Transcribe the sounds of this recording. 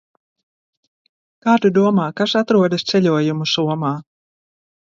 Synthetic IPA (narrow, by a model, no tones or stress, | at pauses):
kaːt̪ud̪uɔmaːkasat̪ɾuɔd̪ast̪sɛlʲuɔjumusuɔmaː